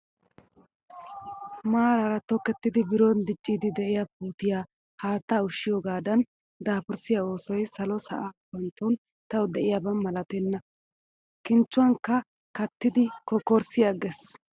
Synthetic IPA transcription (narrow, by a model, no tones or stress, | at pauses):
maːɾɐɾɐt̪ɔkːɛt̪ːɪd̪ɪbɪɾond̪ɪt͡ʃʼːiːd̪ɪd̪ɛʔɪjapuːt̪ɪjaː | haːt̪ːaːʊʃːɪjɔːɡaːd̪ɐn | d̪aːpʊɾsɪjao̞ːsɔjsɐlɔsɐ̰ʔaːpːɐnt̪on | t̪ɐwɔd̪ɛʔɪjabɐnmɐlɐt̪ɛnːɐ | kɪnt͡ʃːʊwɐŋkːɐ | kɐt̪ːɪd̪ɪkɔkɔɾsɪjɐɡɛs